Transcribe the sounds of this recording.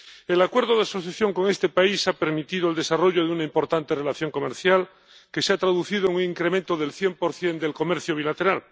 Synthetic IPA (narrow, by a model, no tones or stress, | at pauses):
elakwe̞ɾðoð̞easo̞θjaθjo̞ŋko̞ŋe̞st̪e̞paisape̞ɾmit̪ið̞oeld̪e̞saro̞ʝoðeunaimpo̞ɾt̪ant̪erelaθjo̞ŋko̞meɾθjal | keseat̪ɾaðuθiðoeŋuŋiŋkɾemẽnt̪oðelθje̞mpo̞ɾθje̞nd̪elko̞meɾθjoβ̞ilat̪e̞ɾal